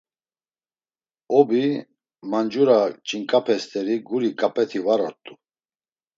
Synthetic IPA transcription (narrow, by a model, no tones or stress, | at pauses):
ɔbi | mand͡ʒuɾat͡ʃʼiŋkʼapʰɛst̪ʰʼɛɾiɡuɾikʼapʼɛt̪ʰivaɾɔɾt̪ʼu